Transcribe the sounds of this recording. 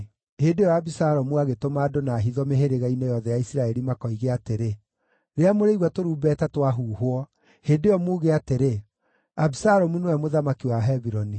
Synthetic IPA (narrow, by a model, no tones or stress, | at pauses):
hedejɔabisaɾɔmuaɣetomaːdonaːɦiðɔmeɦeɾeɣainejɔðɛjaisiɾaɛɾimakɔiɣeateɾe | ɾeamoɾeiɣwatoɾuːbɛːtatwaɦuːɦwɔ | hedejɔmuːɣeateɾe | abisaɾɔmunowɛmoðamakiwaɦɛβiɾɔni